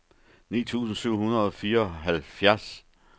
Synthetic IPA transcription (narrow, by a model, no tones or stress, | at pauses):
nḭːt͡sʰṵːsn̩syʊ̰ɦunɐðˠɒ̽fiːɐɒ̽ɦælfjæɐ̰s